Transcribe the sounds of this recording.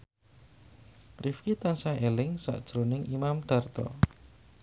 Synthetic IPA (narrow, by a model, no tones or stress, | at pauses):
rifkit̪ansaelɪŋsa̰ʔd̥ʒ̥ɾonɪŋʔimamd̪̥a̤rt̪ɔ̰